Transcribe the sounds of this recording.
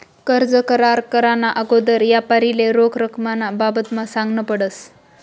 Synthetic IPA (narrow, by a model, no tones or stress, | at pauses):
kəɾd͡zəkəɾaɾkəɾanaʔəɡod̪əɾjapaɾileɾokʰɾəkʰmanababət̪masãŋɡnəpəɽəs